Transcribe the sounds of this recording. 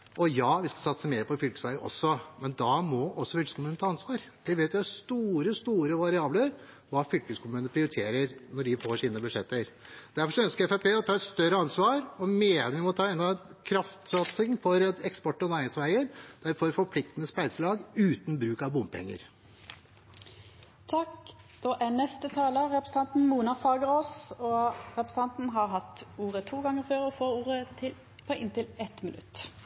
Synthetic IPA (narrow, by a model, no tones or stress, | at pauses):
ʔɔjɑːʋɪskɑsɑt̪səmeːɾəpɔfʏlkə̥sʋæɪəʔɔ̰sːɔmɛnd̪ɑmɔʔɔsːɔfʏlkəskʊmʉːnət̪ʰɑːɑnsʋɑːɾ | d̪̥ɛʋeːt̪ʋɪhæst̪uːɾəst̪uːɾəʋɑɾɪɑːbləɾ | ʋɑːfʏlkəskʰʊmʉːəpɾɪʊɾɪt̪ʰeːɾəɾnɔɖɪfoːʂiːnəbʉd̪ʂɛt̪ːəɾ | d̪̥æɾfɔʂɔœnskəɾɛfæɪpeːɔt̪ʰɑːɛt̪st̪œɾəɑnsʋɑːɾɔmeːəʋɪmɔt̪ʰɑːɛnd̪ɑkʰɾɑft̪sɑt̪sɪŋfɔɾɛkspɔʈːɔnæːɾɪŋsʋæɪəɾd̪̥æɾfɔɾfɔɾpʰlɪk̚t̪ənəspæɪd̪səlɑːɡʉːt̪nbɾʉːkɑʋbʊmpʰɛ̰ŋːə̰ɾ | t̪ʰɑk | d̪̥ɔʔænɛst̪ət̪ʰɑːləʁɛpɾəsɑnt̪n̩muːnɑfɑːɡəʁoːsɔʁɛpɾəsɑnt̪n̩ɦɑʁɦɑt̪ːuːʁət̪ʰuːɡɑŋːəɾføːʁɔfoːɾuːɾət̪ʰɪl | pʰɔʔɪnt̪ɪlɛt̪mɪnʉ̰t̪ː